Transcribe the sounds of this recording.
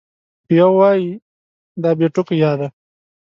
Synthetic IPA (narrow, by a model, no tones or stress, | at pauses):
jawɑji | d̪ɑbeʈʊkjɑd̪a